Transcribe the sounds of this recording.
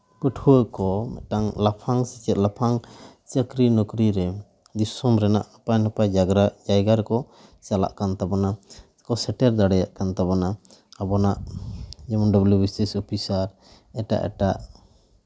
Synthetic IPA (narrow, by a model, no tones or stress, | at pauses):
pəʈʰuwəkɔmɛ̰ʔ̪ʈaŋlapʰaŋsit͡ʃɛt̪̚lapʰaŋt͡ʃəkɾinɔkɾiɾɛ | d̪isɔmɾɛna̰ʔapajnɔpajd͡ʒaɡɾad͡ʒajɡaɾkɔ | sala̰ʔkant̪abɔna | kɔsɛʈɛɾd̪aɽɛjaʔkant̪abɔnaabɔnaʔd͡ʒɛmɔnɖəbljubisisɔpʰisaɾ | ɛʈa̰ʔɛ̰ʈaʔ